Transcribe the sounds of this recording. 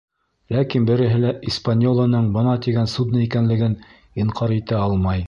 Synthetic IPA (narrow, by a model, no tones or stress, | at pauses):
lækinbɘ̆ɾɘ̆ɦɘlæʔispanʲolˠɤ̆nɤɴbɤnɑt̪iɡænsud̪nɤikænlɘ̆ɡɘn | iɴqʰɑɾit̪æɑlˠmɑj